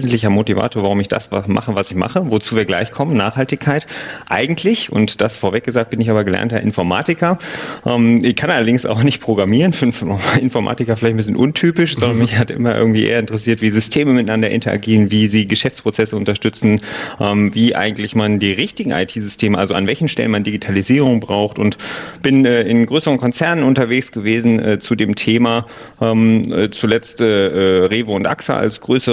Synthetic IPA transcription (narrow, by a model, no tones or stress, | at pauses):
zn̩tlɪçɐmotiva̰ːtʰoːɐvaʁʊmɪçd̥a̰svama̰χəvasɪçma̰χəvot͡suːviːɐɡla̰ɪçkʰɔmənnːaːχhaltɪkʰaɪtʔa̰ɪɡŋ̩tʰlɪçʊ̰ntd̥asfoːɐvɛk̚ɡ̥əzaːk̚t̚b̥ɪnɪçaːbɐɡəlɛ̰ɐntɐ̰ʔɪ̰nfɔɐma̰ːtɪkɐʔɛːmɪçkʰanʔalɐdɪŋsa̰ʊxnɪçt̚pʁ̥oɡʁamiːʁənfynʔɪnfɔɐmʔa̰ːtɪkɐfɪlaɪçtn̩bɪsçənʔʊntʰyːpɪʃz̥ɔndɐnmɪçhatʔɪ̰mɐʔɪ̰ɐɡŋ̩tv̥iːʔḛːɐɪntəʁəsiːɐtv̥iːzʏstʰeːməmɪtanandɐʔɪ̰ntɐʔa̰ɡiːʁənviːziːɡəʃɛft͡spʁ̥ot͡sɛsəʊntɐʃtʏt͡sn̩ʔɛːmviːʔa̰ɪɡŋ̩tlɪçmandiːʁɪçtɪɡŋ̩ʔa̰ɪtʰiːzʏstʰeːməʔalzoanvɛlçn̩ʃtɛ̰lənmandiɡitʰaliziːʁʊŋbʁaʊxtʊntb̥ɪnɛːɪnɡʁøːsəʁənkʰɔnt͡sɛɐnənʊntɐveːçsɡ̥əveːzn̩ɛ̰ːt͡sudeːmtʰeːmaː | ʔɛːmɛːt͡sulɛt͡stʔɛːʔɛːʁeːvəʊntʔa̰ksa̰ʔa̰lsɡ̥ʁøːsə